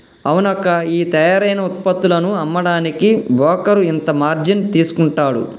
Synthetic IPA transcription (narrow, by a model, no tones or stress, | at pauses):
ɐwunɐkɐiːt̪ɛjaːɾɐjnɐut̪̚pɐt̪ːulɐnuɐmːɐɽaːnikibʱɔːkɐɾuint̪ɐmaːɾd͡ʒint̪iːsu̥kuɳʈaːɽṵ